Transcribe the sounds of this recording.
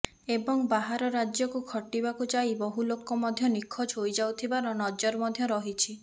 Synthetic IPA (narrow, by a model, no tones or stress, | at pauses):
ebɔŋbaɦaɾɔɾad͡ʒjɔkukʰɔʈibakut͡ʃajbɔɦulokɔmɔd̪ʱjɔnikʰːɔt͡ʃɦojd͡ʒawt̪ʰibaɾɔnɔd͡ʒɔɾmɔd̪ʱjɔɾɔɦit͡ʃʰi